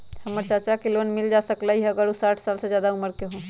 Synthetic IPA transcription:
həməɾt͡ʃəɾt͡ʃakilonmild͡ʒasəklaɦiɦəɡəɾusaʈʰsalsed͡ʒjaːd̪auməɾkeɦõ

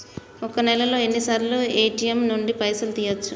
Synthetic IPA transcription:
ɔkɐnɛlɐlo̞ːe̞nːisaːɾloeːʈijemnuɳɖipɐjsɐlt̪iːjot͡ʃːu

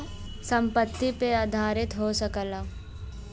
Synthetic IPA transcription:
sə̃mpət̪ːipeaːd̪ʱaːɾɪt̪ɦosəkəla

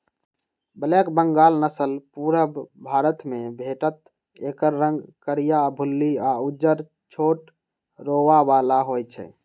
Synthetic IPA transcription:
bəlekbəŋɡaːlnəsəlpuɾəbbʱaɾət̪mẽbʱeʈət̪ | ekəɾːə̃ŋɡkəɾijabʱulːiaud͡ʒəɾ | t͡ʃʰoʈ | ɾoʋabalaɦojt͡ʃʰɛ̰

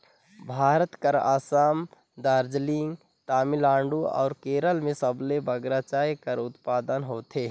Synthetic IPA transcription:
bʱaːɾət̪kəɾa̰ːsaːm | d̪aːɾd͡ʒliŋɡ | t̪aːmilãːɳɖuɔ̰ːɾkeːɾəlmẽsəblebəɡɾat͡ʃaːjkəɾʊt̪paːd̪ənɦoːt̪eː

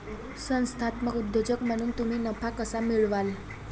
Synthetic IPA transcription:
sə̃w̃st̪ʰat̪məɡud̪ːod͡ʑəkm̤əɽ̃uːnt̪um̤iːnəpʰakəsamiɭʋal

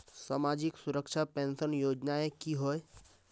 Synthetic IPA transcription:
saːmad͡ʒiksuɾəkʃapẽnsənjoːd͡ʒnaekiɦoe

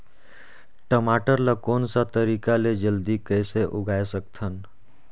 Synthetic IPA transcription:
ʈəmaːʈəɾlakɔːnsat̪əɾiːkaled͡ʒəld̪ikəɪseʔʊɡʱaːesək̚t̪ʰən

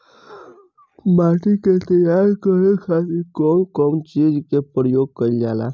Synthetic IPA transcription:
maʈiket̪əjaɾkəɾekʰasikɔnkɔmt͡ɕid͡ʒkepəɾəjoɡ̚kəɾd͡ʒala̰

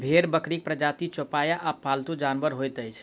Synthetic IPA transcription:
bʱeɾbəkɾik̚pɾəd͡ʒat̪it͡ʃopajaʔapalt̪ud͡ʒanbəɾɦojt̪əjt͡ʃʰ

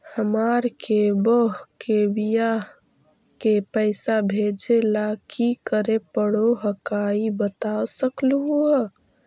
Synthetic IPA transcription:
həmaɾkebəɦkebija | kepəɪsabʱed͡ʒelakikəɾepəɽoɦəkaibət̪aosəklɦuə

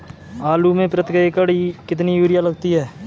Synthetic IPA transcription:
aːluːmẽpɾət̪ɪkəekəɽikɪt̪nijuːɾɪjaləɡt̪iɦɛː

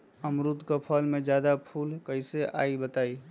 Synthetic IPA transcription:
əmɾud̪kəpʰəlmẽd͡ʒjad̪apʰulkəɪseʔa̰ibət̪ai

